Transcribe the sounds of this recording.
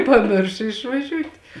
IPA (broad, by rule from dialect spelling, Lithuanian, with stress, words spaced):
pɐˈmʲɪrʃoː ɪʃʋɐˈʒʲuːtʲ